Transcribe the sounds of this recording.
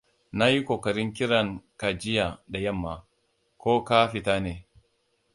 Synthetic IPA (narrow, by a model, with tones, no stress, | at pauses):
na˦ji˦kʷoː˨kɐ˨ɾɪ˦ŋkʲɪ˦ɾɐ˨ŋka˨d͡ʒɪ˦ja˨da˨jɐ˦˨mːa˨ | kʷoː˦ka˦ɸɪ˨ta˦neː˨